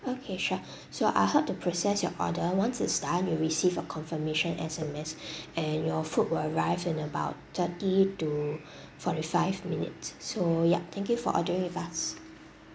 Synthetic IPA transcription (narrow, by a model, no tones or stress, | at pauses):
okʰeʃa | soʔa̰ɪhɛp̚tupʰɹosɛsjɔ̰ʔɔ̰dəwãnsɪtsdatjuɹisivəkʰɔ̃nfəmeʃə̃nɛ̰sɛmɛsɛ̃njɔfut̚wiləɹaɪvɪ̃nəbaʊt̚t̪ʰətitu | fɔtifaɪvminɪ̰tsːoja̰t̪ʰɛ̃ŋkjufɔ̰ʔɔ̰dəɹɪ̃ŋɪfas